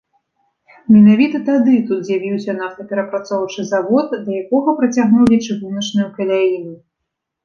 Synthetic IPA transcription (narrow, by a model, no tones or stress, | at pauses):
mʲɛnavʲit̪ɐt̪ad̪ɨt̪ut̪zʲjavʲiwsʲɐnat̪ɐpʲɛɾɐpɾat̪sɔwt͡ʂɨzavɔt̪d̪ɐjakɔɣɐpɾɐt͡sʲaɣnuwlʲit͡ʂɨɣunɐt͡ʂnujukɐlʲalinu